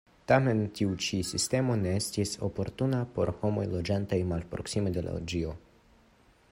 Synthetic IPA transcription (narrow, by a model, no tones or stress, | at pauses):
tame̞ntiut͡ʃisiste̞mo̞ne̞e̞stiso̞po̞ɾtunapo̞ɾho̞mo̞jlo̞d͡ʒantajmalpɾo̞̰ksimede̞la̰od͡ʒio̞